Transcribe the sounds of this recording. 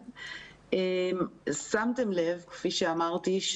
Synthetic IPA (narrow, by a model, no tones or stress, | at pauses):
emsamte̞mle̞vkfiʃeamaʁt̪iʃ